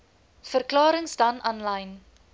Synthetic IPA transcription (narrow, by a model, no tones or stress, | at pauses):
fərklɑːɾəŋsdɐnɐnlɐjn